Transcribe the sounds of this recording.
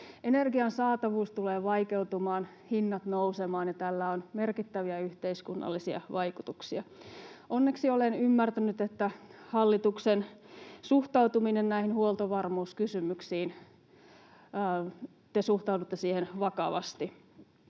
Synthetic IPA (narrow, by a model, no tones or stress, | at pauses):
enerɡiɑnsɑːt̪ɑʋuːst̪uleːʋɑikeut̪umɑːn | hinːɑt̪nousemɑːnjɑt̪ælːæonmerkit̪ːæʋiæyht̪eiskunːɑ̰lːisiɑ̰ʋɑikut̪uksiɑonːeksiolenymːært̪ænyt̪et̪ːæhɑlːit̪uksensuht̪ɑut̪uminennæihinhuolˠt̪oʋɑrmuːskysymyksiːn | t̪esuht̪ɑudut̪ːesiːhenʋɑkɑʋɑ̰st̪i